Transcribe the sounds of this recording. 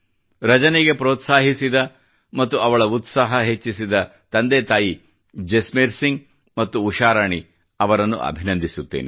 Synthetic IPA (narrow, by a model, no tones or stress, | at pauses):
ɾɐd͡ʒɐneɡe̞pɾoːt̪saːɦisid̪ɐ | mɐt̪ːuɐʋɐɭɐut̪saːɦɐɦe̞t͡ʃːisid̪ɐ | t̪ɐnd̪et̪aːji | d͡ʒesmeɾsiŋɡ | mɐt̪ːuːʃaːɾaːɳi | ɐʋɐɾɐnːṵʔɐ̰bʱinɐnd̪ʱisut̪ːḛːne